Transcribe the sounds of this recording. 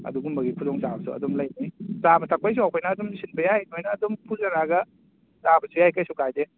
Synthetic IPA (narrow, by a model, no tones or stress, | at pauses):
ɐ̰duɡumbɐɡipʰudɔŋzabɐsṵɐ̰dɔmlɐjnisabɐtʰak̚pajs̬uawkʰojnɐːdɔmsinbɐjahinojnɐːdompʰuzɐnaɡɐ | zabɐsʰujajkajsukajde